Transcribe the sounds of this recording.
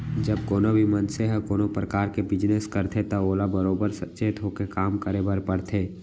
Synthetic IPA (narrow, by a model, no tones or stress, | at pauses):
d͡ʒəbkoːnobʱimənseɦəkoːnopɾəkaːɾkebɪd͡ʒneskəɾt̪ʰet̪aoːlabəɾoːbəɾsɐtːʃet̪ʰɦoːkekaːmkəɾebəɾpəɽt̪ʰeː